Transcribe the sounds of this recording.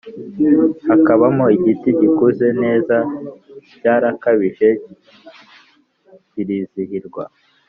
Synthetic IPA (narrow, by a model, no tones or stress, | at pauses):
hakaβamoiɟitiɟikuze̞ne̞ːza | ɟaːɾakaβiʒe̞ | ciɾiːzihiɾɡwa̰